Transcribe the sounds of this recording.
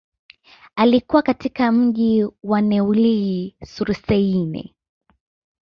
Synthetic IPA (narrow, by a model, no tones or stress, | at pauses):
alikuwakatikam̩ʄiwanɛuliisuɾsɛinɛ̰